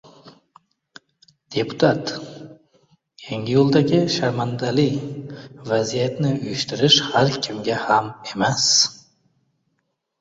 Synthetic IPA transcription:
d̪̥e̞pʰʊ̥t̪ʰat̪ | kʲʰeŋɡʲɪjolˠd̪aɡʲɪʃaɾmand̪alɪj | vazijat̪nɪʊjɪʃt̪ɪɾɪʃhaɾkʲʰɪmɡʲahamemas

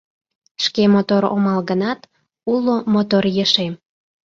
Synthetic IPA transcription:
ʃkemot̪oɾo̰mɑlɣənɑt̪ | ulomot̪orjəʃem

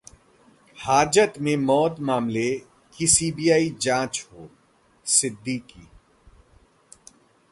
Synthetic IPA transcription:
haːd͡ʒət̪mẽmɔːd̪maːmle | kisiːbiːjaːid͡ʒãːt͡ʃɦoː | sɪd̪ːiːkḭː

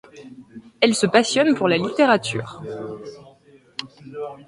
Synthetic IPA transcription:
ɛlsəpasjɔnpuʁlalit̪eʁat̪ʰy̰ːʁ

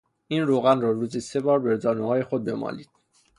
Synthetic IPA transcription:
ʔiːnroːɣænrɒːɾuːzise̞bɒːɾbe̞ɾzɒːnuɦɒːje̞xo̞d̪̚be̞mɒ̰ːliːd̪̥̚

